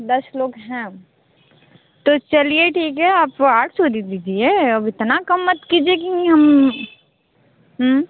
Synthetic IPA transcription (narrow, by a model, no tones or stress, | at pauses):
d̪ɐsloːɡɦɛ̃ː | t̪ot͡ʃɐlieʈʰiːkɦɛaːpaːʈʰsod̪id̪iːd͡ʒieɐbʱɪt̪nakɐmːɐt̪kiːd͡ʒiekiɦɐm | ɦ